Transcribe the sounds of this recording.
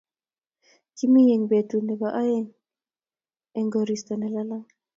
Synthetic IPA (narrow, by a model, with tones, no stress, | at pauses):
ki˦mi˦je˨ŋbe˨tu˨nɛ˨ba˨ʔa˦jɛ˦ŋ | ɛ˨ŋɡo˨ɾi˨stɔ˨nɛ˨la˦la˦ŋ